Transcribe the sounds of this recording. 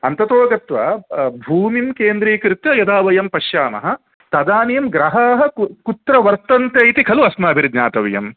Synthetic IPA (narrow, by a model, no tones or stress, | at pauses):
ɐnt̪ɐt̪oːɡɐt̪ʋɐ̰bʱuːmimkeːnd̪ɾiːkɾɪt̪jɐjɐd̪aːʋɐjɐmpɐʃjaːmɐ̰ɦɐ | t̪ɐd̪aːnijɐmɡɾɐɦaːɦɐ̆kut̪ɾɐʋɐɾt̪ɐnt̪eːjt̪ikʰɐluɐsmɐɐbʱiɾid̪ɲaːt̪ɐʋɐjɐ̰m